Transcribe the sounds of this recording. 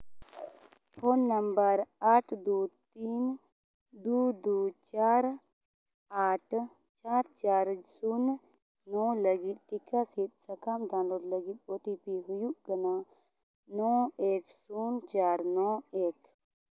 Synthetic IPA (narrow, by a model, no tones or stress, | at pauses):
pʰoːnːɐmbəɾaːʈʰd̪uːt̪iːn | d̪ud̪ut͡ʃaːɾ | aːʈʰ | t͡ʃaːɾt͡ʃaːɾsun | nɔləɡit̪ʈikasit̪̚sɐkamɖãːnloːɾlɐɡit̪̚oːʈipiɦujuɡɐna | nɔːeːksuːnt͡ʃaːɾnɔeːk